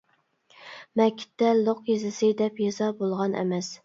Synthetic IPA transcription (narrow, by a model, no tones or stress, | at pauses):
mɛkʲʰːɪ̥t̪ʰːɛlˠoqjezɪsɪd̪ɛpjezɑbolˠʁɑnʔɛ̰mɛs